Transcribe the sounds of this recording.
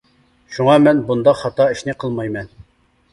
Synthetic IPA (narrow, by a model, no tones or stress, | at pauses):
ʃuŋɑmɛnbund̪ɑqhɑt̪ɑiʃnɪqʰəlˠmɑjmɛn